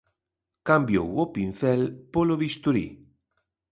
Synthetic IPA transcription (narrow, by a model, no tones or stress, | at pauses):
kambjo̰wopin̟θɛlpoloβist̪uɾḭ